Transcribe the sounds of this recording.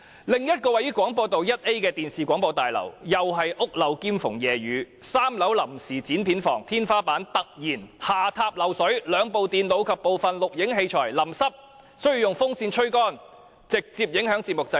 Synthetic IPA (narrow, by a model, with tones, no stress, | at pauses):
lɪ˨ŋjɐ˥t̚kɔː˧wɐ˨˥jyː˥kwɔː˨˥ŋpɔː˧t̪o˨wjɐ˥t̚ʔe˥jkɛː˧t̪iː˨˩nsiː˨kʷɔː˨˥ŋpɔː˧wt̪aː˨jlɐ̰˨˩wjɐ˨wɦɐ˨jʔʊ˥k̚lɐ˨˧wkiː˥mfʊ˨˩ŋjɛː˨˩ɥyː˨˧˥ | saː˥mlɐ˨˥wlɐ˨˩msiː˨˩t͡siː˨˥npʰiː˨˥nfɔ̰ː˨˩ŋt̪ʰiː˥nfaː˥paː˨˥nt̪ɐ˨k̚jiː˨˩nhaː˨t̪ʰaː˧p̚lɐ˨˩wsɵ˨˥ɥlœː˨˧ŋpo˨wt̪iː˨nlo˨˧wkʰɐ˨pːo˨wfɐ˨nlʊ˨k̚jɪ˨˥ŋɦe˧jt͡ʃʰɔ̰ː˨˩jlɐ˨˩msɐ˥p̚ | sɵ˥jy˧jʊ˨ŋfʊ˥ŋsiː˧nt͡ʃʰɵ˥ɥkɔː˥n | t͡sɪ˨k̚t͡siː˧p̚jɪ˨˥ŋhœː˨˥ŋt͡si˧tmʊ˨k̚t͡sɐ˧˥